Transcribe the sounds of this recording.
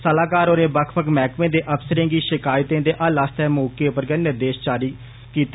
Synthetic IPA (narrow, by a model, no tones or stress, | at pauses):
səlaːkaːɾoːnẽːbəkʰpəkmɛːkʋẽːd̪eːʔəfsəɾẽːɡiːʃɪkaːjt̪ẽːd̪eːʔaːlaːst̪ɛːmoːkeːʊpəɾɡənɪɾd̪eːʃt͡ʃaːɾiː | kiːt̪